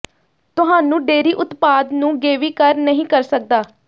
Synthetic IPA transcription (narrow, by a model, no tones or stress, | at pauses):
t̪ʊɦaːnũːɖeːɾiːʔʊt̪paːd̪nũːɡeːʋiːkəɾnəɦĩːkəɾsək̚d̪aː